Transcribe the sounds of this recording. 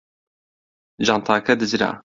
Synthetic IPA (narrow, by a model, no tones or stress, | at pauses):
ʒɑːnt̪ʰɑːkʰɛd̪ɨzɾa̰ː